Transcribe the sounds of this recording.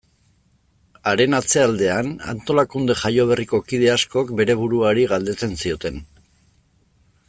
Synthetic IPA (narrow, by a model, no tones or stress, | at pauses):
aɾe̞nat͡se̞ald̪e̞ana̰nt̪o̞lakund̪e̞ʝajo̞β̞e̞riko̞kið̞e̞asko̞kbe̞ɾe̞β̞uɾuaɾiɣald̪e̞t͡se̞nsio̞t̪e̞n